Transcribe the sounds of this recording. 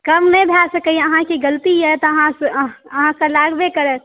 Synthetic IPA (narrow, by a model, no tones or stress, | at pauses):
kəmnəbʱjasəkəjəɦãkeɡəlt̪ijɛt̪əɦãsəɦãkəlaɡbekəɾət̪̚